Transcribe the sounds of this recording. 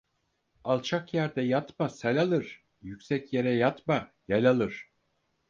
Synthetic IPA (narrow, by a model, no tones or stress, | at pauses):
alˠt͡ʃʰakjæɾd̪ɛjat̪masalʲalˠɯɾ̥ | jycʲsɛcje̞ɾɛjat̪majalʲalˠɯɾ̥